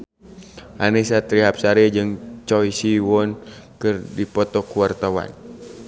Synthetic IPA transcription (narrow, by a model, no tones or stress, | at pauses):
ʔanisat̪ɾiɦap̚saɾɛd͡ʒɨŋt͡ʃɔisiwɔnkɨrdipɔt̪ɔkuwart̪awa̰n